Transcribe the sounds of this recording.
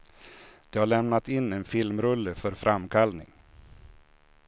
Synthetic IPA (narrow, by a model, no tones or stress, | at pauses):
d̪̥ɛhaɭɛmnat̪ɪnːɛnfɪlmɾɵlːəfœɾfɾamkʰalnɪ̰ŋ